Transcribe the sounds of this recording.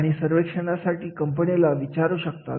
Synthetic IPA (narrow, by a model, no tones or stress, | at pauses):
ɽ̃isəɾʋekʂəɽ̃asaʈiːkəmpənilaʋit͡ɕaɾuːɕəkt̪a̰t̪